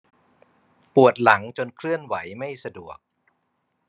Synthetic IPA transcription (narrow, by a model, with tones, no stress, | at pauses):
pu˨˩ət̪̚la˩˦ŋt͡ɕo˧nkʰlɯ˥˩ənwa˩˦jma˥˩jsa˧du˨˩ək̚